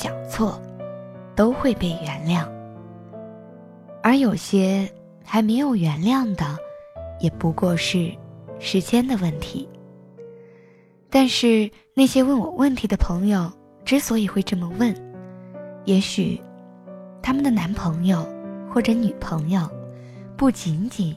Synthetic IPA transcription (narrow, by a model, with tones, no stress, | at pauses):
ɕjɑ˨˩ŋt͡sʰwɔ˥˩ | t̪o˥ʊxwe˥˧ɪpe˥˩ɪɥɛ˧˥nljɑ˥˩ŋ | ə˞˧˥jo˨˩ʊɕjɛ˥ | xa˧˥ɪme˧˥ɪjo˨˩ʊɥɛ˧˥nljɑ˥˩ŋd̪ə˩jɛ˨˩pu˧˥kwɔ˥˧ʂɻ̩˥˩ʂɻ̩˧˥t͡ɕjɛ˥nd̪ə˨wə˥˩nt̪ʰḭ˧˥ | t̪a˥˧nʂɻ̩˥˧ | na˥˩ɪɕjɛ˥wə˥˩nwɔ˨˩wə˥˩nt̪ʰi˧˥d̪ə˧pʰɤ˧˥ŋjo˥˧ʊ | ʈ͡ʂɻ̩˧˥swɔ˧˥i˨˩xwe˥˧ɪʈ͡ʂɤ˥˩mə˩wə˥˩n | jɛ˧˥ɕy̰˨˩ | t̪ʰa˥mə˨nd̪ə˩na˧˥npʰɤ˧˥ŋjo˥˧ʊxwɔ˥˩ʈ͡ʂɤ˧˥ny˨˩pʰɤ˧˥ŋjo˥˧ʊ | pu˥˩t͡ɕi˧˥nt͡ɕi˨˩˦n